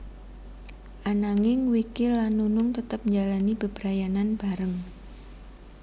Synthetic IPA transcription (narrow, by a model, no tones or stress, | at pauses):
ʔanaŋɪŋwikɪlːanːunʊŋt̪ət̪əp̚ɲd͡ʒalanib̥əb̥ɾajananb̥aɾəŋ